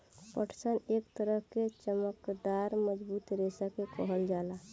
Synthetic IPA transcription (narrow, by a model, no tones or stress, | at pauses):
pəʈʰsənekt̪əɾəɦket͡ʃəməkd̪aɾməd͡ʒbuːt̪ɾesakekəɦəld͡ʒaːla